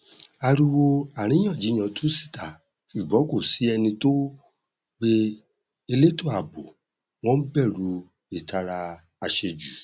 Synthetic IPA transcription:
a˧ɾu˧wo˧a˨ɾ̃ĩ˨˦j̃ɔ̃˦˨d͡ʒi˨˦j̃ɔ̃˧˦tu˦si̥˦˨ta˨ | ʃu˨bɔ̃˨˦ko˦˨si˨˦ɛ˧nĩ˧to˦ | ɡ͡be˧ | e˧le˦to˦˨a˨bo˨ | w̃ɔ̃˦n̩˦bɛ˦˨ɾu˨˧˦ | e˦˨ta˧ɾa˧ | a˧ʃe˧d͡ʒu˨

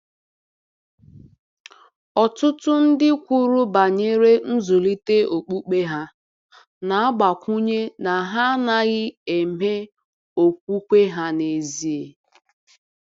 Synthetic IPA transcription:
ɔ˨tʊ˦tʊ˦n̩˦dɪ˦kʷu˦ɾu˦ba˨ɲe˦ɾe˦n̩˦zʊ˨li˦te˦o˨k͡pu˦k͡pe˦ɦa˦ | na˨a˦ɡ͡ba˨kʷu˦ɲe˦na˨ɦa˦na˦ɣɪ˦e˨me˦ | o˨kʷu˦kʷe˦ɦa˦ne˨zi˦e˨

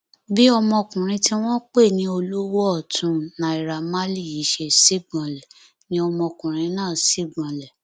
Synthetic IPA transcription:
bi˦ɔ˧mɔ̃˧kũ˨ɾ̃ĩ˧ti˦w̃ɔ̃˦k͡pe˦˨nĩ˨˦o˧lo˦wo˦ɔ˦˨tʰũ˨˦nã˨i˨ɾa˨ma˦li˦˨i˨˦ʃe˧si˦ɡ͡bã˧lɛ˨ | nĩ˧˦ɔ˧mɔ̃˧kũ˨ɾ̃ĩ˧˦nãː˦˨si˦ɡ͡bã˧lɛ˨

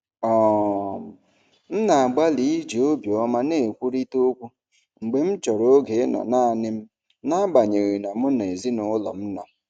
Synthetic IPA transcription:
ɔ˦˨m̩˨ | n̩˦na˨a˨ɡ͡ba˦li˨˦i˦d͡ʒi˨o˦bjɔ˦ma˦ne˦˨kʷu˦ɾi˦to˦kʷu˦ | ŋ͡m̩˨ɡ͡be˨m̩˦t͡ʃɔ˨ɾo˦ɡe˨˦nɔ̰˨na˦a˨nɪ˦m̩˦ | na˦ba˨ɲe˨ɣi˨na˨mʊ˦n˨e˨zi˦nʊ˨˦lɔ̰˨m̩˦nɔ˨

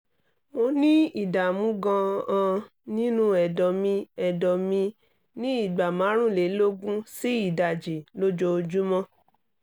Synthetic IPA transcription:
mo˧nĩ˦i˨da˨mũ˦ɡã˧ã˧ | nĩ˦nũ˦ɛ˨dɔ˨mĩ˧ɛ˨dɔ˨mĩ˧ | nĩ˦i˦˨ɡ͡ba˨mã˨˦ɾ̃ũ˦˨le˨˦lo˦ɡũ˦si˦i˦˨da˨d͡ʒe˨lo˦d͡ʒo˧d͡ʒu˦mɔ̃˦

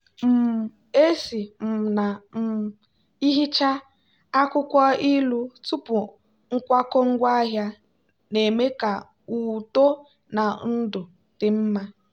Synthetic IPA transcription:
m̩˨ | e˦si˨m̩˨na˨m̩˨ | i˦ɦi˦t͡ʃa˦ | a˦kʊ˦kʷɔ˦i˦lu˦tu˦pʊ˨ | ŋ̩˦kʷa˦kɔ˦ŋ̩˦ɡʷa˦a˦ɦja˦ | ne˨me˦ka˨ | u˨to˦ | na˨n̩˦dʊ˨ | tɪ˨m̩˦ma˦

